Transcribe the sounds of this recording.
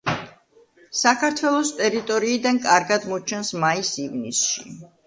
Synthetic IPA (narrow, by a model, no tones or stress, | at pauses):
sakʰaɾt̪ʰwɛlˠɔst̪ʼɛɾit̪ʼɔɾiːd̪ankʼaɾɡad̪mɔt͡ʃʰɛnsmaisivnisʃḭ